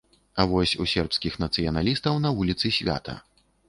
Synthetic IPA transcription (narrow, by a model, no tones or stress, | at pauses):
avɔsʲusʲɛrpskʲixnɐt̪sɨjɐnalʲist̪ɐwnɐvulʲit̪sɨsʲvʲa̰t̪ɐ̰